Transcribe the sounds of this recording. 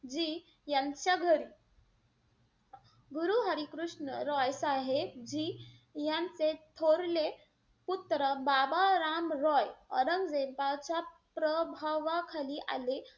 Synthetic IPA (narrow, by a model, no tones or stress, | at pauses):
d͡ʑiː | jant͡ɕjaɡʱəɾiː | ɡuɾuɦəɾikɾuʂɳəɾɔjsaɦebd͡ʑiː | jãnt͡set̪ʰoɾle | put̪ɾəbabaɾamɾɔjəɾəŋɡd͡zepat͡ɕa | pɾəbʱaʋakʰaliːʔa̰le